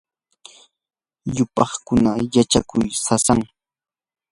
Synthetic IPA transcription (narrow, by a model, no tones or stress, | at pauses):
ʎʊpɑχkʊnajat͡ʃakʊjsasaŋ